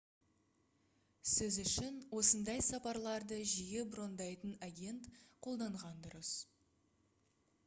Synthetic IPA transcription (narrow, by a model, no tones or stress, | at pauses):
sɪzʏʃɪnwo̞sənd̪ɑjsɑpɑɾlˠɑɾd̪əʒijebʊɾo̞nd̪ɑjt̪ənaɡʲe̞nt̪qʰo̞lˠd̪ɑɴʁɑnd̪ʊɾəs